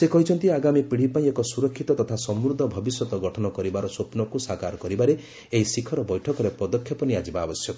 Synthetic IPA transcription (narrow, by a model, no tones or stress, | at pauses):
sekɔɦit͡ʃʰɔnt̪iaɡamipiɽ̤ipaj̃ɔkɔsuɾɔkʰːit̪ɔt̪ɔt̪ʰasɔmɾud̪ʱːɔbʱɔbisjɔt̪ɔɡɔʈʰɔnɔkɔɾibaɾɔsopnɔkusakaɾɔkɔɾibaɾe | eɦisikʰɔɾɔbɔjʈʰɔkɔɾepɔd̪ɔkʰːjɔpɔniad͡ʒibaːbɔsjɔkɔ